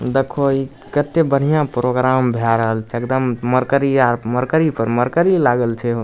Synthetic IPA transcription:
d̪ekʰoi | kət̪ːebəɽ̤ijãpɾoɡɾambʱeaɾəɦəlt͡ʃʰɛekd̪əmːəɾkəɾiaməɾkəɾipəɾməɾkəɾilaɡəlt͡ʃʰɛɦo

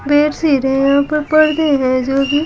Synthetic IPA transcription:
beːɾsiːɾẽjãːpɐɾpɐɽd̪eɦɛ̃d͡ʒoːbi

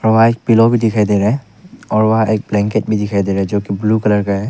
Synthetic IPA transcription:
ɔːɾʋɐɦãeːk̚pɪlobʱid̪ɪkʰaid̪eɾɐɦɛ̃ | ɔːɾʋɐɦãʔeːk̚blɛ̃ːŋkeʈbʱid̪ɪkʰaːid̪eːɾɦɛ̃d͡ʒoːkibluːkɐləɾkaɦɛː

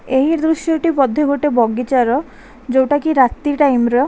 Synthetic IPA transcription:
eɦĩɾd̪ɾuʃjɔʈipɔd̪ʱːjɔɡoʈebɔɡit͡ʃaɾɔ | d͡ʒowʈakiɾat̪ːiʈajmɾɔ

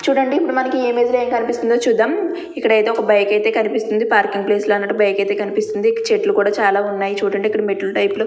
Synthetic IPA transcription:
t͡ʃuːɽɐɳɖiipːuɽumɐnɐkieːmeːd͡ʒ̪leːŋkɐnipist̪und̪oːt͡ʃuːd̪ːaːm | ikːɐɽɐjt̪e̞ːɔkɐbɐjkɐjt̪e̞ːkɐnipist̪und̪ipaːɾkiŋɡ̚ple̞ːslɐnːɐʈːubɐjkɐjt̪eːkɐnipist̪und̪iɐt͡ʃeʈlukuːɽaːt͡ʃaːlaːunːaːjit͡ʃuːɽɐɳɖeikːɐɽumeʈːulʈɐjpulu

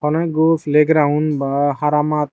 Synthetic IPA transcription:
ɔnaɡofʰleɡɾaunbaɦaɾamat̪̚

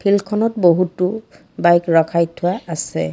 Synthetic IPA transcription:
pʰilkʰɔnɔtboɦutʊ | bajkɹɔkʰajtʰʊwaasɛ̰

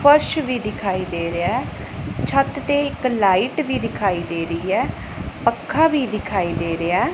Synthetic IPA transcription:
pʰəɾʃʋiːd̪ɪkʰaːiːd̪eːɾeaː | t͡ʃʰət̪t̪eːɪklaːiʈʋiːd̪ɪkʰaːiːd̪eːɾəiːɛː | pəkʰːãːʋiːd̪ɪkʰaːiːd̪eːɾeaː

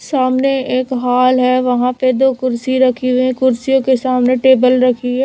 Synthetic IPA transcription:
saːmneeːkɦaːlɦɛʋɐɦãped̪oːkʊɾsiɾɐkʰiɦuĩkʊɾsijõkesaːmneʈeːbəlɾɐkʰiɦɛː

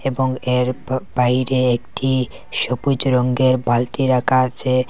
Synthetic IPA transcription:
eboŋeɾbajɾeekʈʰi | ʃopud͡ʑɾoŋɡeɾbalt̪iɾakʰat͡ɕʰe

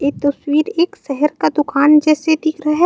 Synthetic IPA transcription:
eːt̪ɐswiːɾeːkʃɛɦɛɾkad̪ʊkaːnd͡ʒɛːsed̪ɪkʰɾaɦɛ

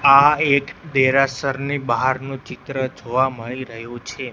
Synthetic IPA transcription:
aekd̪eɾasəɾnibaɦaɾnũt͡ʃɪt̪ɾəd͡ʒoʋaməɭiɾəɦjũt͡ʃʰe

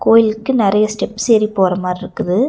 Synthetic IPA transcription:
koːjɪlkːɯnɪɾɐjɐsʈɛpːsɛjɾipoːɾɐmaːɾɪɾɯkːɯðɯ

